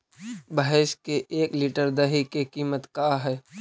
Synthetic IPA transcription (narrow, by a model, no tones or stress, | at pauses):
bəɦeʃkeeːkliʈəɾd̪ɐɦikekiːmət̪kaɦɛː